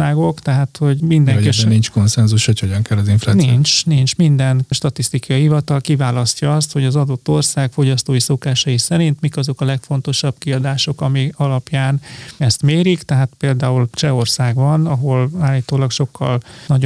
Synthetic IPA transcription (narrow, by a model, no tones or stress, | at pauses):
aːɡo̞kt̪ɛɦaːt̪ho̞ɟmind̪ɛ̃ŋinint͡ʃko̞nsɛnzuʃho̞cho̞ɟɒŋkɛlːɒziɱflaːnint͡ʃnint͡ʃmind̪ɛnʃt̪ɒt̪ist̪ikɒjiɦivɒt̪ɒlkivaːlɒscɒɒst̪ho̞ɟɒzɒd̪o̞t̪ːo̞rsaːkfo̞ɟɒst̪oːjiso̞kaːʃɒjisɛɾint̪mikɒzo̞kɒlɛkfo̞n̪t̪o̞ʃɒb̥kiɒd̪aːʃo̞kɒmiɒlɒpjaːnɛst̪meːɾikt̪ɛɦaːt̪peːld̪aːult͡ʃɛo̞rsaːɡbɒnɒɦo̞laːlːiːt̪oːlɒkʃo̞kːɒ̰lnɒɟo